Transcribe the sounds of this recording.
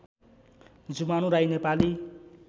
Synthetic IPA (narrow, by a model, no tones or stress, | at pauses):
d͡zumañũɾajnepali